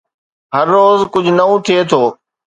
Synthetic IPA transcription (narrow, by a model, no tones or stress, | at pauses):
ɦəɾːoːzkʊd͡ʒʱnɐũːt̪ʰɪeːt̪ʰoː